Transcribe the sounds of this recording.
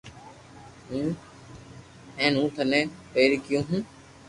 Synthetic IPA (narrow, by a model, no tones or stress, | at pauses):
ɦũː | ɛ̃ːnũːt̪ʰənẽːpeːɾiːkɪjũːɦũː